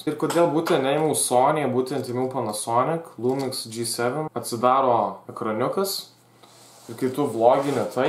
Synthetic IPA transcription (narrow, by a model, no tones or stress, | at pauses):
ɪɾkoːd̪ʲeːlˠbuːt̪ʲɛnnʲɛɪmʲɐʊsoːnʲeːɛbuːt̪ʲɛnt̪ʲɪmʲɛʊpɐnɐsoːnʲɪklˠuːmʲɪksd͡ʒʲiːsʲɛʋʲɛnɐt̪ʲsʲɪd̪ɑːɾoːɛkɾonʲʊkɐs | ɪɾkɐɪt̪ʊblˠoːɡʲɪnʲɪt̪ʰɐɪ